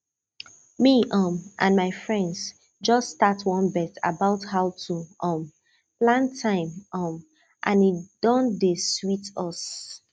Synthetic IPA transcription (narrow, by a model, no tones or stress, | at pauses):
miʔɔmʔã̰nmaɪfɹɛ̃ndz | d͡ʒʌstːtatʰwɔ̃nbɛta̰baʊthaʊtʰuɔ̃m | plãntʰãɪ̃mɔm | ʔãnid̥ɔ̃ndeswitɔs